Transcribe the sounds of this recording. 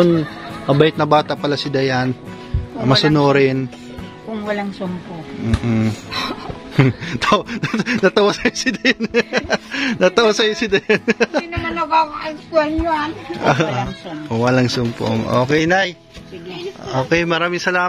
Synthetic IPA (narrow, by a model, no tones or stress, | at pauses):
ʊnmɐbɐɪt̪̚nɐbaːt̪ɐpɐlasɪd̪ɐjan | mɐsʊnoːɾɪn | kʊŋwɐlaŋsʊmpoŋ̩ːʔ | t̪ʰnnɐt̪ɐwasɐjosɪd̪ɐjn | nɐt̪ɐwasɐjosɪd̪ɐjɐnnɐmɐnɐbakɐŋʔɐjskuɐɲoa | kʊwɐlaŋsʊmpo̰ŋʔo̰ːkɛjnaj | ʔoːkɛjmɐɾaːmɪŋsɐlaː